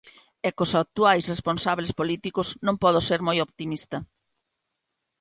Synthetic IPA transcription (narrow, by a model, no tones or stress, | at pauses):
ɛkosak̚t̪uajsresponsaβlespolit̪ikʊznõmpɔð̞ʊseɾmojopt̪imist̪ɐ